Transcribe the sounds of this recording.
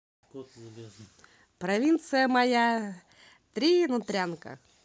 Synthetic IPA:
pɾɐvʲint̪sɨjəmɐja | t̪ɾʲinʊt̪ɾʲankə̰

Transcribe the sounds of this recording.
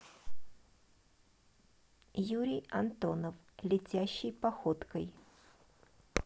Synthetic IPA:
juɾʲɪjɐnt̪o̞nəflʲɪtʲæɕːɪjpɐxo̞t̪kəj

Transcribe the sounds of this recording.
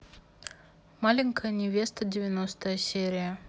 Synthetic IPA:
malʲɪnʲkəjənʲɪvʲe̞st̪ədʲɪvʲɪnost̪əjəsʲeɾʲɪjə

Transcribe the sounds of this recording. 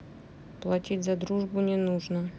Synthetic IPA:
plˠɐtʲitʲzɐd̪ɾuʐbʊnʲɪnuʐnə

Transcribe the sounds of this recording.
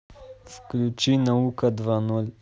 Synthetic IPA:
sklʲut͡ʃinaukad̪ʋanul

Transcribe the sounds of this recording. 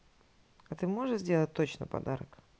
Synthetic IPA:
ɐt̪ɨmo̞ʐɨʂzʲdʲe̞lˠət̚ʲt̪ot͡ɕnə̰pɐ̰d̪aɾək

